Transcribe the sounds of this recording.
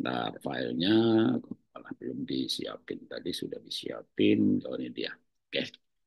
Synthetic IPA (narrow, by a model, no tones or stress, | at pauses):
nafailɲaku | alahbəlʊmdisiapɪnt̪adisudahbisia̰pɪnd͡ʒawanadia | ka